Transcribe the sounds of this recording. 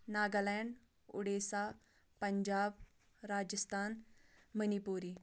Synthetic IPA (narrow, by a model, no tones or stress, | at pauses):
naɡalɛɳɖ | ṵɽesa | pəɲd͡ʑab | ɾad͡ʑəst̪ʰanmənipuɾi